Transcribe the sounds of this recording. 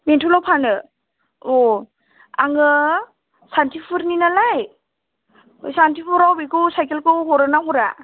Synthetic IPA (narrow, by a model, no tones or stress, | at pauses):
mentʰulɔwpʰanɯ | o | aŋɯ | santʰipʰɯɾninalaj | santipʰuɾawbikɯsajkelkʰɯɦɔɾɯnaɦɔɾa